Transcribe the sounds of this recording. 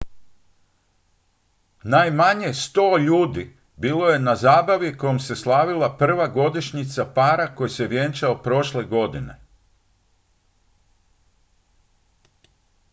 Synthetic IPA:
najmaɲe̞st̪o̞ːʎuːd̪i | biːlo̞je̞nazaːbaʋiko̞jomse̞slˠaːʋilˠapr̩ʋaɡo̞d̪iʃɲit̪sapaːɾako̞jeseʋje̞nt͡ʃaopɾo̞ʃleɡo̞d̪ine̞̰

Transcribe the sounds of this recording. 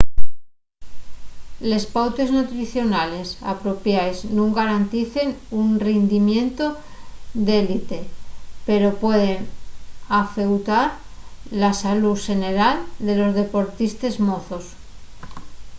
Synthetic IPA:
le̞spawt̪e̞znut̪ɾiθjo̞nale̞sa̰pɾo̞pjajznũŋɡaɾant̪iθe̞nunrend̪imje̞nt̪o̞d̪elit̪e̞pe̞ɾo̞pwe̞ð̞e̞n | afe̞wt̪aɾlasaluʃe̞ne̞ɾald̪e̞lo̞zðe̞po̞ɾt̪ist̪e̞zmoθo̞s

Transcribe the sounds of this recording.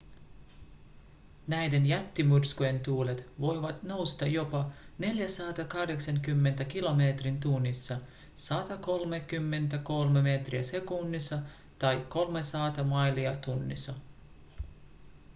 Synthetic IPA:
næjde̞njæt̪ːimurskuje̞nt̪uːlet̪ʋo̞jʋɑt̪no̞wst̪ɑjo̞pɑne̞ljæsɑːt̪ɑkɑhde̞ksɑŋkymːe̞nt̪æk̟ilo̞meːt̪rint̪unːisːɑ | sɑt̪ɑko̞lmekymːe̞nt̪æko̞lmeme̞t̪riæse̞kunːisːɑ | t̪ɑjkːo̞lmesɑːt̪ɑmɑjliɑt̪unːḭsɑ

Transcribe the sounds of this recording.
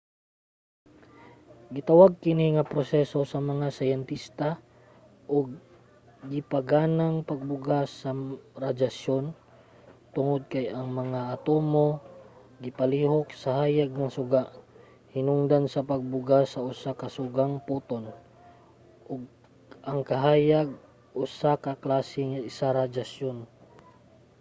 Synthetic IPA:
ɡɪt̪awaɡ̚kɪniŋɐpɾosɛsosɐmɐŋasɐjɛnt̪ist̪a | ʔoɡ̚ː | ɪpaɡanaŋpɐɡ̚bʊɡasɐɾad͡ʒasjon | t̪ʊŋod̪̚kajɐŋmɐŋaʔːt̪omo | ɡipaliɦok̚saɦajaɡ̚naŋsuɡaʔ | hinuŋd̪ansapaɡ̚buɡasausakasuɡaŋput̪on | ʔʊɡ̚ | aŋkaɦajaɡ̚ | ʔusakaklasɪŋisaɾad͡ʒasjon

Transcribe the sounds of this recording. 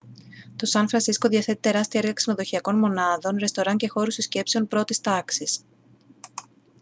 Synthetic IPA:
t̪o̞sɐnfɾɐnsisko̞ðiɐθe̞t̪i̥t̪e̞ɾɐst̪iɐeɾɣɐkseno̞ðo̞çiɐko̞nmo̞nɐðo̞nɾe̞st̪o̞ɾɐɲce̞xo̞ɾust̪isce̞pse̞o̞npɾo̞t̪ist̪ɐksis

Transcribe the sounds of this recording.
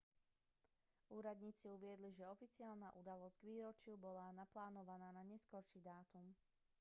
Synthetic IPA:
uːɾad̪ɲiːt͡siuʋɪɛd̪liʒɛɔfit͡siaːlnaʔud̪alɔzɟɡʋiːɾɔt͡ʃɪubɔlanaplaːnɔʋanaːnaɲɛskɔɾʃiːd̪aːt̪um

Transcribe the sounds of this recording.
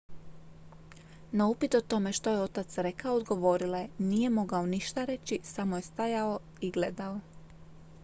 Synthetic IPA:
naupit̪o̞t̪o̞me̞ʃt̪o̞jeo̞t̪at̪sɾe̞kaood̪ɡo̞ʋo̞ɾilanije̞mo̞ɡao̞niʃt̪aɾe̞t͡ɕisamo̞je̞st̪ajao̞ | iɡle̞d̪ao

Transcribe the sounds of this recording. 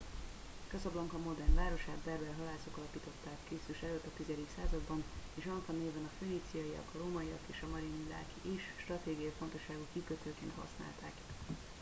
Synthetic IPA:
kɒzɒblɒŋkɒmo̞d̪ɛrnvaːɾo̞ʃaːd̪bɛrbɛlɦɒlaːso̞kɒlɒpiːt̪o̞t̪ːaːkːeːsyʃɛløːt̪ːɒt̪izɛd̪iksaːzɒd̪bɒneːʃɒnfɒneːvɛnɒføːnit̪sijɒjijɒ̰kɒroːmɒiɒ̰keːʃɒmɒɾinila̰ːkiiʃʃt̪rɒt̪eːɡijɒjifo̞nt̪o̞ʃːaːɡukikøt̪øːkeːnt̪hɒ̰sna̰ːlt̪a̰ːk

